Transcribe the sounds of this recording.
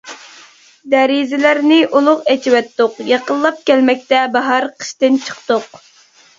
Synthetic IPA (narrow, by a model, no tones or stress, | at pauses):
d̪æɾizɪlæɾnɪʔulˠʊqɛt͡ʃʰiwɛt̪ːʊqjɑqəlˠːɑp̚kʲɛlmɛk̚ʲt̪ɛbɑɦɑɾqʰə̥ʃt̪ɨnt͡ʃʰə̥qt̪oq